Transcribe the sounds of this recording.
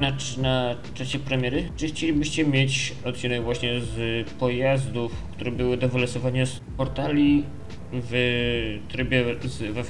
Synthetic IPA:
na | na | t͡ʂaɕɛpɾɛmʲjɛɾɘt͡ʂɘxt͡ɕelʲibɘɕt͡ɕɛmʲjet͡ɕɔt̪̚t͡ɕinɛɡvwaɕɲɛzpɔjazd̪ufk̚t̪uɾɛbɘwɘd̪ɔvɘlɔsɔvaɲas | pɔɾt̪alʲi | v | t̪ɾɘbʲjɛzva

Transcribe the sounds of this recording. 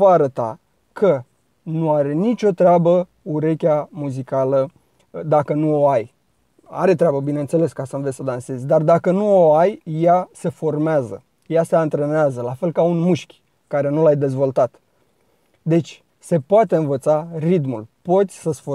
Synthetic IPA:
vaːɾət̪a̰ | kʰə | nuaɾe̞nit͡ʃʲo̞t̪ɾeabə | uɾe̞kʲamuzikalə | d̪akənuoaj | a̰ɾe̞t̪ɾeabəbine̞nt̪se̞le̞skasəɨnvesʲsəd̪anse̞zʲd̪ard̪akənuoajjase̞fo̞rmeazə̰ | jaseant̪ɾe̞neazəlafe̞lkaunmuʃkʲ | kaɾe̞nulajd̪e̞zvo̞lt̪at̪ | d̪e̞t͡ʃʲ | se̞poat̪e̞ɨnvət̪sarit̪mulpo̞t̪sʲsəsfo

